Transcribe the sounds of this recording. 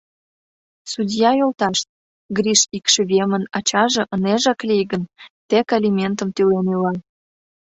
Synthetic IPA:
sudʲjɑjolt̪ɑʃt̪̚ | ɡrʲiʃikʃĕβemənɑt͡ɕɑʒɤ̆ʔəneʒɑklʲijɡənt̪ekalʲimʲent̪ə̆mt̪ylenylɑ

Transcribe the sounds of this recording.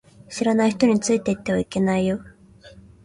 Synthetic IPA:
ɕiɾanaiçi̥t̪o̞ɲ̟it͡sɨit̪e̞it̪ːe̞β̞aike̞naijo

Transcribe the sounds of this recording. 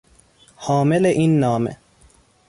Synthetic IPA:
hɒːme̞leʔiːnːɒːmḛ

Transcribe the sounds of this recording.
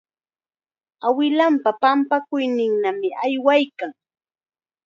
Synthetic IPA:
awɪlampapampakʊjnɪŋnamɪʔajwajkaŋ

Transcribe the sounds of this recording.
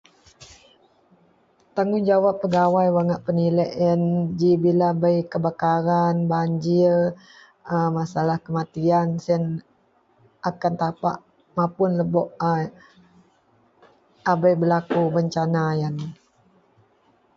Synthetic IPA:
t̪aŋund͡ʒawapːəɡawajwaŋaʔpənilaʔənd͡ʒibilabəjkəbakaɾanbaɲd͡ʒir | əmasalahkəmat̪iansən | ʔakant̪apaʔ | mapʊnləbɔʔ | abəjbəlakubəɲt͡ʃanajan

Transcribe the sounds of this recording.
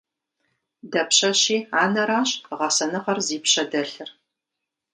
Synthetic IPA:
dɐpɕɐɕiːaːnɐɾaːɕʁɐsɐnɨqɐrziːpɕɐdɐɬɨr

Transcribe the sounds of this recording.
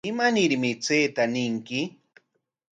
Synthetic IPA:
ɪmanɪɾmɪt͡seːt̪anɪŋkɪ

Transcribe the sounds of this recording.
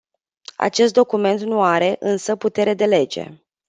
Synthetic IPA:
a̰t͡ʃe̞st̪̚d̪o̞kume̞nt̪nuaɾe̞ʔɨnsəput̪e̞ɾe̞d̪e̞le̞d͡ʒe̞̰

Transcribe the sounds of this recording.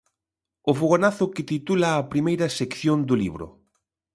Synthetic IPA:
ʊfuɣonaθʊkɪt̪it̪ulɐːpɾimejɾɐsekθjond̪ʊlḭβɾʊ̰

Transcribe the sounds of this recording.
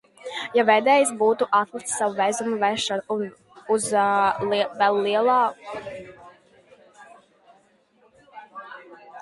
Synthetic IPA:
javɛjd̪ɛːjis̬buːt̪uʔat̪lˠikt̪savuvɛzumuvɛʃann | uz | vɛlˠːiɛlˠɑː

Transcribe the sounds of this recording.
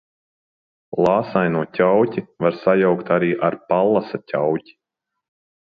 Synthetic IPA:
lˠɑːsajnuɔcʲawcʲivaɾsajawkt̪aɾiːʔaɾpalˠːasatʲawcʲi̥

